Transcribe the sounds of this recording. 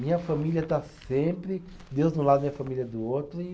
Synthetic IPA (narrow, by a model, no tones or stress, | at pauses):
mĩɲɐfamilʲjɐt̪asẽmpɾɪ | d̪ewznʊlad̪ɐmĩɲɐfamilʲjɐd̪ʊot̪ɾʊɪ